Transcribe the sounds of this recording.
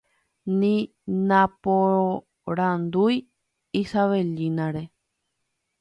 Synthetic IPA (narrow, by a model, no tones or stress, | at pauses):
nĩ | nãpoo | ɾãnd̪uj | isaʋelĩnãɾe